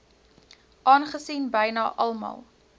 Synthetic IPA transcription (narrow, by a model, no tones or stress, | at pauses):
ʔɑːnχəsiːnbəjnɑːʔɐlˠmɑ̰lˠ